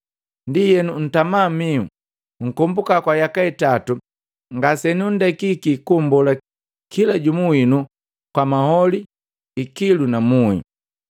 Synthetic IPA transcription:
ndijɛnun̩tamamiṵ | ŋ̩kɔmbukakwajakaitatu | ŋɡasɛniundɛkikikumbɔla | kilaɟumuinu | kwamahɔli | ikilunamuḭ

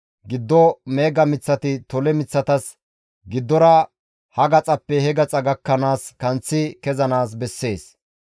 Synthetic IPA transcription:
ɡɪd̪ːɔme̞ːɡɐmɪt͡sːɐt̪ɪt̪ɔlɛmɪt͡sːɐt̪ɐs | ɡɪd̪ːɔɾɐ | hɐɡɐt͡sʼɐpːɛhɛɡɐt͡sʼɐɡɐkːɐnaːskɐnt͡sːɪkɛzɐnaːs̬bɛsːe̞ːs

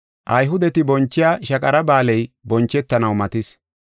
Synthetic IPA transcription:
ʔɐjɦʊd̪ɛt̪ɪbɔnt͡ʃːɪjaːʃɐkʼɐɾɐbaːlɛjbɔnt͡ʃːɛt̪ːɐnɐwmɐt̪ɪs

